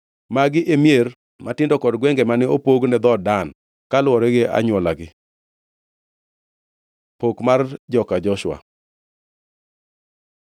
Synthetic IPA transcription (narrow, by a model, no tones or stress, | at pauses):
maɡɪʔemjer | matɪndɔkɔdɡwɛŋɡɛmanɛopoɡnɛd̪ɔdan | kalwɔɾɛɡeʔa̰ɲwɔlaɡɪ | pokmard͡ʒɔkad͡ʒɔʃwa̰